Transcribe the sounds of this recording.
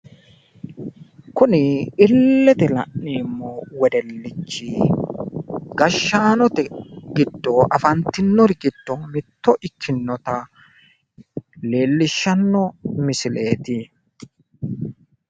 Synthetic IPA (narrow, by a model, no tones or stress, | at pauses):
kʊnɪɪlːɛt̪ɛlɐ̰ʔniːmːɔwɛd̪ɛlːɪt͡ʃːɪ | ɡɐʃːaːnɔt̪ɛɡɪd̪ːɔʔɐfɐnt̪ːɪnːɔɾɪɡɪd̪̥ːɔmɪt̪ːɔʔɪkʰːɪnːɔt̪ɐ | le̞ːlːɪʃːɐnːɔmɪsɪleːt̪ɪ